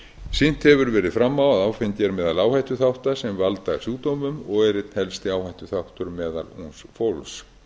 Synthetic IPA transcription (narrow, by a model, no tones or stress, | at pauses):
sin̥t̪hɛvʏɾvɛːɾɪðfɾamːawaðaːwfɪnt̪jɛɾmɛːðalaːwhajt̪ʏθawht̪asɛmvalt̪asjuːt̪owmʏmɔɣɛɾɪt̪n̥hɛlst̪ɪaːwhajht̪ʏθawht̪ʏɾmɛːða̰lṵnsfowls